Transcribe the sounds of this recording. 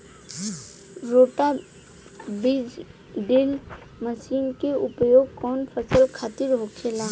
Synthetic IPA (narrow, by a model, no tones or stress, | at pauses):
ɾoʈa | bid͡ʒ | ɖil | məsiːnkeʊpjoːɡ̚kɔːnpʰəsəlkʰaːt̪ɪɾɦokʰelaː